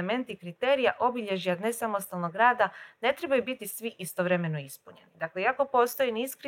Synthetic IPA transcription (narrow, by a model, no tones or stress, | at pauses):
me̞nt̪ikɾit̪eːɾijaʔo̞biʎe̞ʒiad̪ne̞samost̪alnoɡɾaːd̪ane̞t̪ɾe̞bajubit̪isʋiʔist̪o̞ʋɾe̞me̞no̞ispuɲe̞̰nid̪akleiako̞po̞ːst̪o̞jiniːskɾ